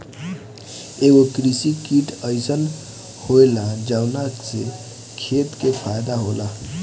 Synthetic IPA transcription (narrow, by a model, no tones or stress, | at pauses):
eɡokɾisikiʈʰəɪsən | hoelad͡ʒəwnakse | kʰet̪kepʰajd̪aɦola